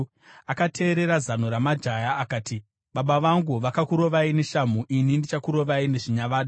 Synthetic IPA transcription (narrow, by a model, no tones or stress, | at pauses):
akatʰe̞ːɾe̞ɾazan̤uɾamad͡ʒajaːkaːti | ɓaɓaʋaŋɡuʋakakuɾo̞ʋaine̞ʃamuʔinindit͡ʃakuɾo̞ʋaine̞ʐiɲaʋaːɗu